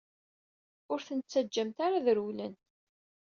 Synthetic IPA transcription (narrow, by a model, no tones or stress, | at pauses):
ʊɾθənt͡sːæd͡ʒːəmt̪aɾaðəɾwlən